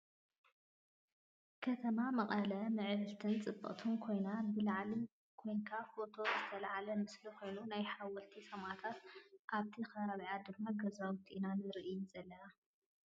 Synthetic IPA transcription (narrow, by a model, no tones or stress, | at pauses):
kʰɐt̪ʰɐmamɐχʼɐlɐmɨʕɨβɨlt̪ʰɨnt͡sʼɨbːɐ̰ʔʼt̪ʰunkʰo̞jnabɨlaʕli | kʰo̞jŋkʰafo̞t̪ʰo̞zɨt̪ʰɐlaʕalɐmɨsliko̞jnunajħawɔlt̪ʰisɐmʕat̪ʰat̪ʔaβt̪ʰixɐβaβiʕad̪ɨmːaɡɐzawt̪ʰiʔinanɨɾɨʔijuzɐlːɐna